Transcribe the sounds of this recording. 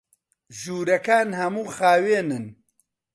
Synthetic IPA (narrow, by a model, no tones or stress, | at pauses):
ʒuːɾɐkaːnhɐmuːxaːweːnɨn